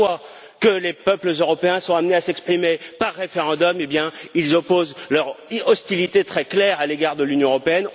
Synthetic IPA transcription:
wa | kəlepœpləzøʁɔpeɛ̃sɔ̃amneasɛkspχimepaʁːefeʁɑ̃d̪ɔmebjɛ̃ilzɔpozlœʁɔst̪ilit̪et̪χɛklɛʁaleɡaʁd̪əlynjɔ̃əʁɔpeɛn

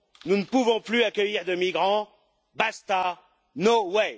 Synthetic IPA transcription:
nunəpuvɔ̃plyakʲəjiʁd̪əmiɡʁɑ̃ | bast̪a | nowɛ

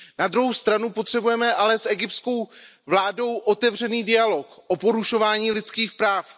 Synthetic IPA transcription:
nad̪ɾuɦowst̪ɾanupo̞t̪r̥ɛbujɛmɛʔalɛsʔɛɡɪp̚tsko̞w | vlaːdo̞wʔot̪ɛvr̝ɛniːdɪalo̞kʔopo̞ɾuʃo̞vaːɲiːlɪt͡skiːxpɾaːf

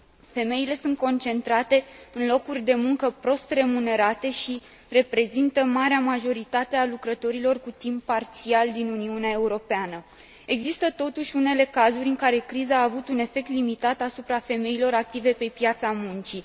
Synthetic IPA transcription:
fe̞me̞ile̞sunt̪̚ko̞nt͡ʃe̞nt̪ɾat̪e̞ɨnlo̞kurʲd̪e̞muŋkəpɾo̞st̪re̞mune̞ɾat̪e̞ʃi | re̞pɾe̞zint̪əmaɾeamaʒo̞ɾit̪at̪e̞alukɾət̪o̞ɾilo̞rkut̪impːart̪siald̪inuniuneae̞uɾo̞peanə | e̞ɡzist̪ət̪o̞t̪uʃʲune̞le̞kazuɾʲɨŋkaɾe̞kɾizəaːvut̪une̞fe̞k̚t̪limit̪at̪asupɾafe̞me̞ilo̞ɾak̚t̪ive̞pe̞pjat̪samunt͡ʃi

